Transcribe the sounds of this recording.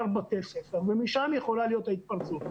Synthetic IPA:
ʁbat̪elsefeʁvemiʃamjeχo̞lalijo̞t̪ait̪̚paʁt͡sut̪

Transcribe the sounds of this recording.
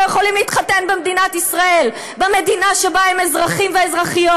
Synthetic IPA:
jeχo̞limliːt̪χatenbemd̪inat̪isʁae̞l | beme̞d̪inaʃebaemezʁaχimveːzʁaχijo

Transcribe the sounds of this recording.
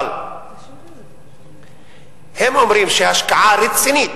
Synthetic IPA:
l | hemomɾiːmʃeɦɐʃkaʕaːɾɪt̪siniːt̪

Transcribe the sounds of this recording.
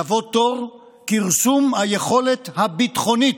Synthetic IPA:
avot̪oʁ | kiʁsumhajeχo̞let̪habit̪χo̞nit

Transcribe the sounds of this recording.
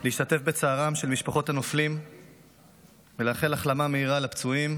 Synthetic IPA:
liːʃt̪at̪e̞fbe̞t͡saːʁamʃe̞lmiʃpaχo̞t̪hanoflim | veleaχe̞laχlamameiʁalapt͡suim

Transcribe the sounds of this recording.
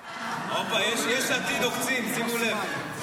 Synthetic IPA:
ŋɔbajɛʃjɛʃatʼilok̬ut͡sʰʼinisikulɛ

